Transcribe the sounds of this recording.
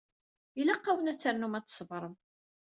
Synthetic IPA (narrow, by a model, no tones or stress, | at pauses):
ilæqːawənæt͡sːəɾnumæt͡s̪ːə̥svɾˤəm